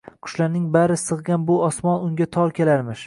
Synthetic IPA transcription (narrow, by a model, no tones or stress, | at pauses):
qʰʊ̥ʃlaɾnɪŋbaɾɪsɨʁɡʲanbʊɒsmɒnʊŋɡʲat̪ʰɒɾkʲe̞laɾmɪʃ